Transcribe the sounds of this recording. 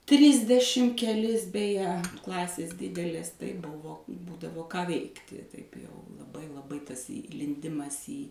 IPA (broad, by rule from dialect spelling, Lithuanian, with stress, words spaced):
ˈtʲrʲɪzʲdʲɛʃʲɪm kʲɛˈlʲɪs bʲɛˈjɛ ˈklˠɑːsʲeːs ˈdʲɪdʲɛlʲeːs tɐɪ ˈbʊʋoː ˈbuːdɐʋoː kɑː ˈʋʲɛɪktʲɪ tɐɪp jɛʊ lˠɐˈbɐɪ lˠɐˈbɐɪ tɐs iːlʲɪnʲˈdʲɪmɐs iː